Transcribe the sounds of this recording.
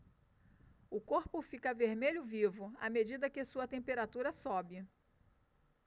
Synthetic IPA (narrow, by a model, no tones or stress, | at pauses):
ʊkoɾpʊfikɐveɾmeʎʊvivʊamed͡ʒid̪ɐkɪsuɐt̪ẽmpeɾat̪uɾɐsɔbɪ